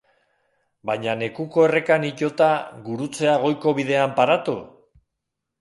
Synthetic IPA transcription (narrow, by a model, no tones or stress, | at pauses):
bajɲane̞kuko̞e̞re̞kaniʎo̞t̪aɣuɾut͡se̞aɣ̞o̞jko̞βiðe̞ampaɾat̪u